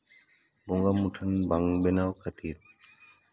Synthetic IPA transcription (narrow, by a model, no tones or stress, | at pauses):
boŋɡamuʈʰənbaŋbenaːwkʰət̪ʰiːɾ